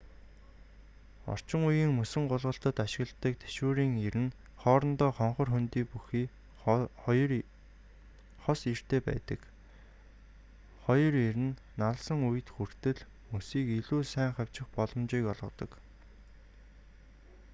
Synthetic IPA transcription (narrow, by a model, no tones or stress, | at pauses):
ɔ̰r̥t͡ɕɪ̆ŋujiːŋmusɘ̆ŋɢʊɮʁə̆ɬt̪ə̆t̪aʃɪ̆ɣə̆ɬt̪ə̆k̚t̪ʰe̥ʃuːɾiːŋeɾɘ̆n | χɔːɾɞ̆nt̪ɔːχɔɴχɞ̆rxɵnt̪iːpuxiː | χɔsir̥t̪eːpæ̰ːt̪ə̆k | χɔjɞ̆ɾeɾɘ̆nːaɮsə̆ŋuj̆t̪xur̥t̪ɘ̆ɮ | musiːkiɮuːsæːŋχaw̥ʲt͡ɕɪ̆χpɔɮɞ̆mt͡ɕiːkɔɮʁɞ̆t̪ɞ̆k